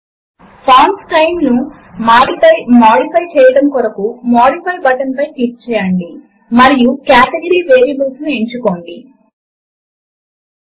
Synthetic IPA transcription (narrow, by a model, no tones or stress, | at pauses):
pʰaːnsʈɐjmnu | aɖiɐmaːɽipʰɐjt͡ʃɛːjɐɽɐmkɔɾɐkumaːɽipʰɐjbɐʈɐnpɐjʈ̪iːk̚t͡ʃɛːjɐɳɖi | mɐɾijukaːʈeɡɐɾiːʋeːɾijɐbɐlsnueɲt͡ʃuko̞ːɳɖi